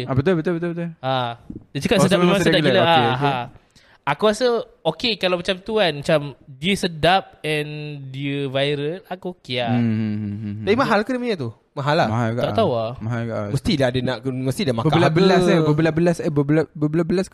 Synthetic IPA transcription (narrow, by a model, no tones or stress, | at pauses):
abət̪ʊlbət̪ulbət̪uʊlbət̪ʊladat͡ʃəkaʔsədapaassədailaaɦa | akuɾasə | okekalawmat͡ʃamt̪uanmat͡ʃamdiəsədap̚ɛndiəvajɾəlakuokea | apimaɦalkədəməɲat̪̬u | maɦalaaɦalɡaaʔt̪awamaɦalɡa̰ʔməst̪idaadanaʔkəməst̪idamãbəkalabəlasəbəbəlabəlasəbəbəlabəbəlabəlas